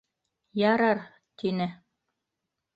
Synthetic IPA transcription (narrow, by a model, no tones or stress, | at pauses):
jɑɾɑɾ | t̪inɘ